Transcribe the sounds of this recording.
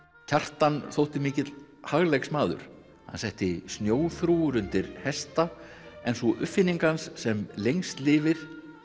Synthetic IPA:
cʰar̥t̪anθowht̪ɪmɪːcɪt̪l | haɣleksmaːðʏ̰ɾ̥ | hansɛht̪ɪsnjoːwθɾuʏɾʏnt̪ɪɾhɛst̪a | ɛnsɔʔʏfːɪnːiŋkansːɛmlejŋst̪lɪːvɪɾ̥

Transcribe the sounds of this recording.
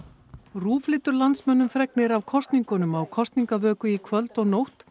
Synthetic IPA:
ruːflɪːt̪ʏɾlant̪smœnːʏmfɾɛknɪɾawkʰɔst̪niŋkʏnʏmawkʰɔst̪niŋkavœːkʏikʰvœlt̪ɔɣnowht̪

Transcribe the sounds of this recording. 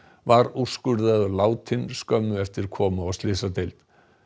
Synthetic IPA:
vaɾuskʏɾðaðʏlaːwt̪ʰɪnskœmːʏɛft̪ɪɾ̥kʰɔːmaɔst̪lɪsat̪ejlt̪

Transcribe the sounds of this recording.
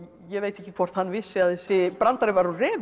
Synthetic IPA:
jɛveːjt̪ɛhcɪkʰvɔr̥t̪hanːvɪsːɪaðθɛsːɪpɾant̪aɾɪvaɾɔrɛːv

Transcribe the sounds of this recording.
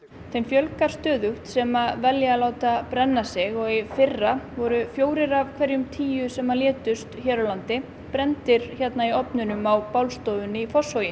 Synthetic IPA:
θʰejmfjœlkaɾ̥st̪œːðʏht̪sɛːmavɛljaalaːwt̪apɾɛnːasɪɣɔɣifɪrːavɔɾʏfjoːwɾɪɾavkʰvɛɾjʏmt̪ʰiːjʏsɛmːaljɛːt̪ʏst̪çɛːɾawlant̪ɪ | pɾɛnt̪ɪɾ̥çɛt̪naiɔpnʏnʏmawpaːwlst̪oːwvʏnifɔsowjɪ

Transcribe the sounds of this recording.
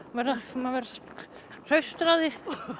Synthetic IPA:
vɛɾasmavɛɾ | r̥œɥst̪ɾaðɪ

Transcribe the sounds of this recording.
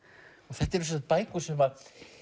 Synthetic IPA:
ɔɣθɛht̪ːɛɾs̬ɔnat̪pajkʏ̥sɛmvaɾ

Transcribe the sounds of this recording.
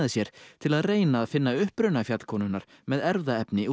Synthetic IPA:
ðɪsjɛɾ̥t̪ʰɪlaðreːjnaːðfɪnːaʏhpɾʏnafjat̪l̥kʰɔːnʏnaɾ̥ | mɛðɛɾðaɛpnɪ

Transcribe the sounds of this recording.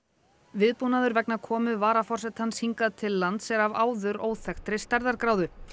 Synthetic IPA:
vɪðpunaðʏɾvɛknakʰɔːmʏvaːɾafɔr̥sɛt̪hanːshiŋkaðt̪ʰɪlːant̪sɛɾavaːwðʏɾʔoːwθɛxt̪ɾɪst̪aɾðaɾkɾaːwðʏ

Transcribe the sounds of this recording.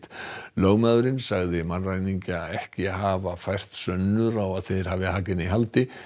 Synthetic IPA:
t̪loːɣmaðʏɾɪnsaɣðɪmanrajniɲcɪaðɛhcɪhaːvafajr̥t̪sœnːʏɾawaðθejðɪɾ̥haːvɪhaːcɪniɦalt̪ɪ

